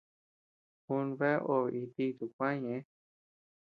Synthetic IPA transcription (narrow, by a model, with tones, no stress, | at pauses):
hu˧˦nβe˦ʔo˧˨˧ʔi˧t̪i˧t̪u˨kʷã˦ɲẽ˨˧˦